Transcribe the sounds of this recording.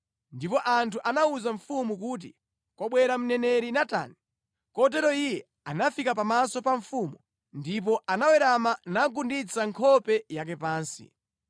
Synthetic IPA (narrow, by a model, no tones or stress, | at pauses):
ndipɔʔantuʔanauzaɱfumuk̬uːt̬ḭ | kwaɓwɛɾam̩nɛnɛɾinata̰ni | kɔt̬ɛɾɔijɛ | anafikap̬amasɔpaɱfumu | ndip̬ɔʔanawɛɾamanaɡundit͡saŋkʰɔpɛjak̬ɛpaːnsḭ